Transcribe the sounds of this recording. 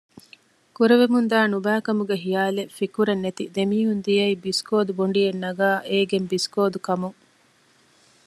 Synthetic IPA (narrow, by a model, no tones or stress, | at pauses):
kuɾeʋemund̪aːnubæːkɐmuɡeɦijaːlefikuɾenːet̪id̪emiːɦund̪ijɐibiskoːd̪uboɳɖijenːɐɡaːʔeːɡembiskoːd̪ukɐmuŋ